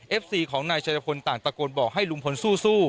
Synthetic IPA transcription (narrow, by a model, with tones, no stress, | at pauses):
ʔe˦˥p̚siː˧kʰɔː˩˦ŋnaː˧jt͡ɕʰaː˧ja˧pʰo˧nt̪aː˨˩ŋpa˧koː˧nbɔː˨˩k̚hɦa˥˩jlu˧ŋpʰo˨˦nsuː˥˩suː˥˩